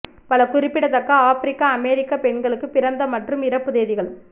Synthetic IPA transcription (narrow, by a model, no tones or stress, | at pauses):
pɐlɐkʊɾɪpːɪɽɐt̪ɐkːɐaːfɪɾɪkːaːmeːɾɪkːapɛɳɡɐɭɯkːɯpɪɾɐnd̪ɐmɐʈrɯmɪɾɐpːɯðeːðɪɣɐɭ